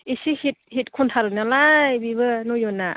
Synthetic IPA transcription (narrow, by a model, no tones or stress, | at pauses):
isihit̚hit̚kʰuntʰaɾɯnalajbiβɯnɔjɔnːa